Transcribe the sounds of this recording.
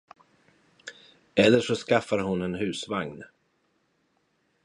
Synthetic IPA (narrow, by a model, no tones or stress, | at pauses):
ɛlːəʂɔskafːaɾɦʊnɛnɦʉ̟ːsvaŋn